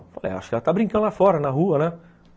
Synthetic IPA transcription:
falḛja̰ʃʊ̥kɛlɐt̪abɾĩŋkɐ̃nd̪ʊlafɔɾɐnɐɦuɐnɛ

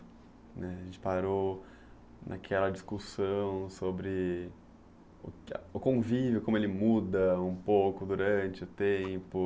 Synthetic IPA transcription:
nɛʒẽnt͡ʃɪ̥paɾo | nʔa̰kʰɛlɐd͡ʒiskusɐ̃w̃sobɾɪ | ʊ̰ʊkõvivjʊkõmʊelɪmud̪ɐũpowkʊd̪uɾɐ̃t͡ʃɪʊt̪ẽpʊ

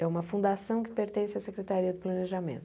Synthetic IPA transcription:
ɛũmɐfũd̪asɐ̃w̃kɪ̥peɾt̪ẽsɪɐsekɾet̪aɾiɐd̪ɪplɐneʒamḛ̃nt̪

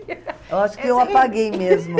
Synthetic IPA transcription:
ewaʃʊ̥kɪewapaɡejmezmʊ

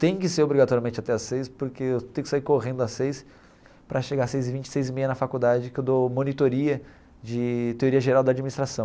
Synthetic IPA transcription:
t̪ẽj̃k̬ɪseɾobɾiɡat̪ɔɾiɐmẽnt͡ʃɪat̪ɛɐsːejspoɾkeewt̪ẽjʊkɪsaiɾkoʁẽnd̪ʊɐsejs | pɾɐʃeɡaɾasejzɪvĩnt͡ʃɪ̥sejzɪmejɐnɐfakud̪ad͡ʒɪkɪewd̪omõnit̪oɾiɐ | d͡ʒɪt̪eoɾiɐʒeɾawd̪ɐaːd͡ʒiminist̪ɾasɐ̃w̃

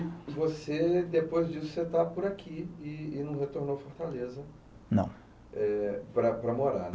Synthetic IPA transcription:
vosed̪epojzd͡ʒisʊ̥set̪apʊɾakʰiɪːnɐ̃w̃ɦet̪oɾnowfoɾt̪alezɐ | nɐ̰̃w̃ | ɛpɾɐpɾɐmoɾa̰n

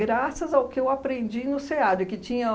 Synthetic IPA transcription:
ɡɾasɐzawkɪewapɾẽnd͡ʒinʊsead͡ʒɪkɪt͡ʃĩɲɐ

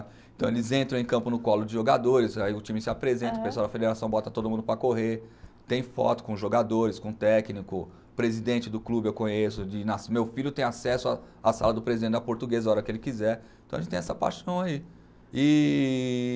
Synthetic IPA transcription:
ẽt̪ɐ̃w̃elɪzẽnt̪ɾɐ̃ẽkɐ̃mpʊnʊkɔlʊd͡ʒɪʒoɡad̪oɾɪsaiʊt͡ʃĩmɪsɪapɾezẽnt̪ɐ̃ʊpes̬wawd̪ɐfed̪eɾasɐ̃w̃bɔt̪ɐt̪od̪ʊmũd̪ʊpɾɐkoɦeɾt̪ẽj̃fɔ̰t̪ʊ̥kõʒoɡad̪oɾɪskõt̪ɛknikʊ | pɾezid̪ẽnt͡ʃɪd̪ʊklubɪewkõɲesʊd͡ʒɪnasmewfiʎjʊt̪ẽj̃asɛsʊa | asalɐd̪ʊpɾezid̪ẽnt͡ʃɐpoɾt̪uɡezɐɔɾɐkɪelɪkizɛɾ̃t̪ɐʒẽt͡ʃt̪ẽɛsɐpa̰jʃɐ̃w̃ai | ɪ

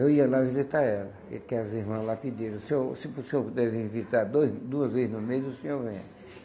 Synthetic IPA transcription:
ewiɐlavizit̪aɾɛlɐḛkɛɐziɾmɐ̃lapid̪eɾɐsesɪpʊsẽoɾpud̪ɛvẽvizit̪aɾd̪ojzd̪uɐzvezɪznʊmejzʊsẽɲoɾvẽjɐ̰

